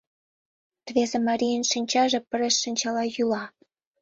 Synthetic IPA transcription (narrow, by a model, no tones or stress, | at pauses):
t̪βezemɑɾʲijənʃinʲt͡ɕɑʒĕpə̆ɾeʃːinʲt͡ɕɑlɑjulɑ